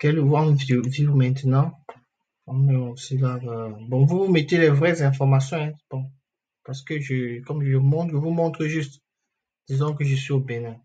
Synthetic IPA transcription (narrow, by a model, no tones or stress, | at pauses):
kɛlwɔ̃nvvivumɛ̃t̪nɑ̃ | ɔmɛɔ̃silaabɔ̃vuvumet̪elɛvʁɛzɛ̃fɔʁmasjɔ̃ɛ̃b̥ɔ̃ | paʁsə̥kəʒəkɔmʒʒəmɔ̃t̪ʒəvumɔ̃t̪χəʒyst̪ | d̪̥izɑ̃k̬əʒəsɥiobenɛ̃